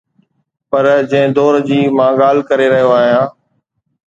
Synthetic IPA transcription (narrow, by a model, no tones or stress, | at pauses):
pɐɾd͡ʑɐ̃ɦɪ̃d̪oːɾd͡ʑiːmãːɠaːl̤kəɾeɾɐɦijoaːɦijãː